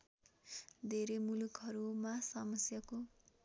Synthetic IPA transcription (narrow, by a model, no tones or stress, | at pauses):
d̪ʱeɾemulukɦʌɾumasʌmʌsjako